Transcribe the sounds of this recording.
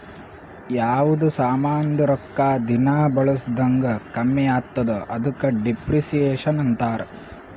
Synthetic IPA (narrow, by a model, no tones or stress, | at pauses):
jaːʋud̪usaːmaːnd̪uɾɔkːaːd̪inaːbɐɭusd̪ɐŋɡɐkɐmːɛjaːt̪ːɐd̪ɐʔɐd̪ukːɐɖipɾisijeːʃɐnɐnt̪aːɾ